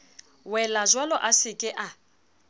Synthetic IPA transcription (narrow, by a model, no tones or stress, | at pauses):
wɛlazwalɔʔasɪkʼɪʔa